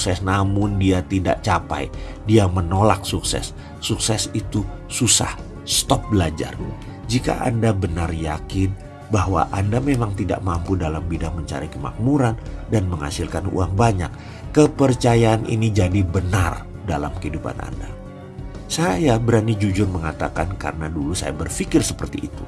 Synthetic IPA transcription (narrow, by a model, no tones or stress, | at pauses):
sɛsnamʊndiat̪ida̰ʔt͡ʃapa̰j | diamənolak̚suksɛ̰sː | uksɛsit̪u | susa̰h | st̪ɔp̚bəlad͡ʒa̰r | d͡ʒika̰ʔa̰ndabənarjakɪn | bahwa̰ʔandamemaŋt̪ida̰ʔmampudalambidaŋməɲt͡ʃa̰ɾikəma̰k̚muɾandanməŋa̰sɪlkanṵaŋbaɲak̚ː | əpərt͡ʃajaːnʔḭnid͡ʒadibənar | dalamkəidupa̰nʔa̰nda | sajabəɾanid͡ʒud͡ʒʊrməŋat̪akanka̰rənadulusa̰jabərfikɪrsəpərt̪iʔːt̪ṵ